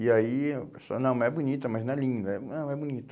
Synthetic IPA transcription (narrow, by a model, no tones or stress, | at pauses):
iaipeso̰nɐ̃w̃mɛbunit̪ɐmɐznɐ̃ɛlĩnd̪ɐɛnɐ̃w̃ɛbunit̪ʊ̥